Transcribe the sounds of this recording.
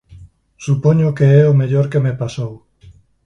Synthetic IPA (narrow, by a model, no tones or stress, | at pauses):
supoɲokeɛomeʎoɾkemepasow